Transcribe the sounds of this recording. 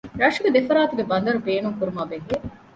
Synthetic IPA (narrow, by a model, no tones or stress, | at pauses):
ɾɐʂuɡed̪efɐɾaːt̪uɡebɐnd̪ɐɾubeːnuŋkuɾumaːbeŋɡie